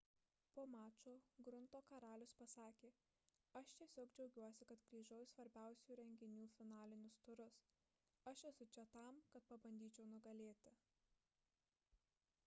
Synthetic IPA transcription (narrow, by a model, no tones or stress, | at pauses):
poːmɑːt͡ʃʲoːɡɾʊnt̪oːkɐɾɑːlʲʊspɐsɑːkʲeː | ɐʃt̪ʲiɛsʲoːɡd͡ʒʲɛʊɡʲuɔsʲɪkɐt̪kɾʲiːʒoʊsʋɐɾʲbʲæˑʊsʲuːɾʲɛŋʲɡʲɪnʲuːfʲɪnɑːlʲɪnʲʊst̪ʊɾʊs | ɐʃtʲɛsʊt͡ʃʲɛt̪ɑˑmkɐt̪̚pɐbɐnʲd̪ʲiːt͡ʃʲɛʊnʊɡɐlʲeːt̪ʲɪ